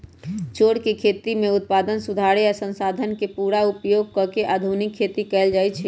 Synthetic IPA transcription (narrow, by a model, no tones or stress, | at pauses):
t͡ʃoɽkekʰet̪imeut̪̚pad̪ənsud̪ʱaɾeasə̃nsad̪ʱənkepuɾaupjoɡ̚kəkeʔad̪ʱunikʰːet̪ikɛld͡ʒajt͡ʃʰɛ